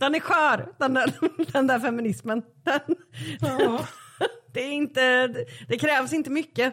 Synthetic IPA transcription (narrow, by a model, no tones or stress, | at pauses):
d̪̥ɛnæɾɧœːɾd̪̥ɛnd̪æd̪ɛnd̪æɾfɛmɪnɪsmən | d̪̥ɛn | d̪̥ɛæɾɪnt̪əd̪̥ɛkʰɾɛːvsɪnt̪əmʏkːə